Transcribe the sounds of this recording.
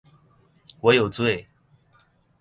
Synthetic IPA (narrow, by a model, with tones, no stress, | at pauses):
wɔ˨˦jo˨˩ʊt͡swe˥˨ɪ